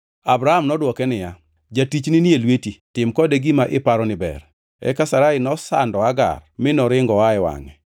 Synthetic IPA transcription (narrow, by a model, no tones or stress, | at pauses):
abɾahamnɔdwɔkɛnɪja | d͡ʒatit͡ʃnɪnielwetitɪmkɔdeɡimaʔɪpaɾɔnɪbɛ̰r | ɛ̰kasaɾaɪnɔsandɔaɡa̰rmɪnɔɾɪŋɡɔwaɪwa̰ŋɛ